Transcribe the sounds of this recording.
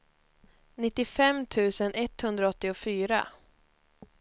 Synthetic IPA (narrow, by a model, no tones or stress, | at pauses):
nɪt̪ːɪfɛmːt̪ʰʉ̟ːsənɛt̪hɵnd̪ɾaɔt̪ːɪʊfyːɾa̰